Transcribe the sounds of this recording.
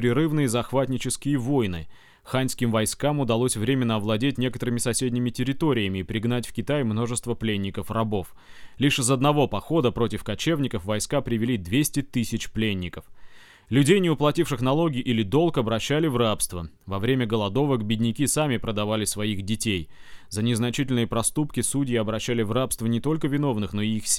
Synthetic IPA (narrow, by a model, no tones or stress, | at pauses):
pɾʲɪɾɨvnɨjəzɐxvat̪ʲnʲɪt͡ɕɪskʲɪjəvo̞jnɨ | xanʲskʲɪmvɐjskamʊd̪ɐlˠo̞sʲvɾʲemʲɪnːəɐvlˠɐdʲetʲnʲe̞kət̪əɾɨmʲɪsɐsʲedʲnʲɪmʲɪtʲɪɾʲɪt̪o̞ɾʲɪjəmʲɪːpɾʲɪɡnatʲfkʲɪt̪ajmno̞ʐɨst̪vəplʲenʲːɪkəfrɐbo̞f | lʲiʂɨzɐd̪nɐvo̞pɐxo̞d̪əpɾo̞tʲɪfkɐt͡ɕe̞vnʲɪkəfvɐjskapɾʲɪvʲɪlʲid̪vʲesʲtʲɪt̪ɨsʲɪt͡ɕplʲenʲːɪkəf | lʲʉdʲejnʲɪʊplˠɐtʲifʂɨxnɐlˠo̞ɡʲɪʔilʲɪd̪o̞lˠkɐbɾɐɕːælʲɪvrapst̪və | vɐvɾʲemʲəɡəlˠɐd̪o̞vəkbʲɪdʲnʲɪkʲisamʲɪpɾəd̪ɐvalʲɪsvɐixdʲɪtʲej | zənʲɪznɐt͡ɕitʲɪlʲnɨjəpɾɐst̪upkʲɪsudʲɪjɪɐbɾɐɕːælʲɪvrapst̪vənʲɪt̪o̞lʲkəvʲɪno̞vn̪ɨxno̞ɪixsʲ